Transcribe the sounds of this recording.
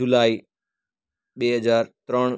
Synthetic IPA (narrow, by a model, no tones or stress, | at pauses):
ʊlaːiː | ɓeːɦəzaːɾt̪ɾəɽ̃